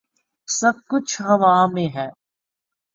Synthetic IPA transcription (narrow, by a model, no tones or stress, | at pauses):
sɐb̚kʊt͡ʃʰɦɐʋãːmẽːɦɛː